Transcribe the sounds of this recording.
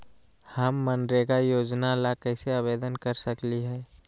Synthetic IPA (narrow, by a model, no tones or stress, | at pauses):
həmːənɖɾeɡajoːd͡ʒnalakəɪseabeːd̪ənkəɾsəkliɦɛː